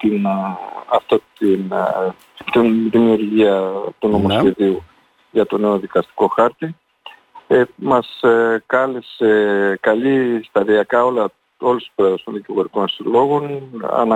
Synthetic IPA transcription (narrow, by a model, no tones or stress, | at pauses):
t̪in | ɐft̪ot̪in | t̪inðimiuɾʝiɐt̪uno̞mo̞sçe̞ðiu | ʝɐt̪o̞ne̞oðikɐst̪i̥ko̞xɐɾt̪i | emɐskɐlesekɐlist̪ɐðiɐkɐo̞lɐ | o̞lest̪i̥spɾoeðɐst̪o̞nðiciɣo̞ɾiko̞nsilo̞ɣo̞nɐ̰nɐ